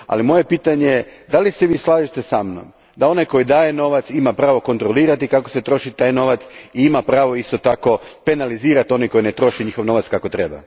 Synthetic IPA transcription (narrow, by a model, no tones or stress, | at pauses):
a̰limo̞je̞piːt̪aɲejed̪aliseʋiːslˠaːʒit̪esamno̰m | d̪ao̞najko̞jid̪aːje̞no̞ʋat̪simapɾaːʋo̞ko̞nt̪ɾo̞liːɾat̪ikakose̞t̪ɾo̞ʃit̪aːjno̞ʋat̪siimapɾaːʋo̞ist̪o̞t̪ako̞pe̞naliziːɾat̪io̞nako̞jinet̪ɾo̞ʃiɲixo̞ʋno̞ʋat̪skako̞t̪ɾe̞ba̰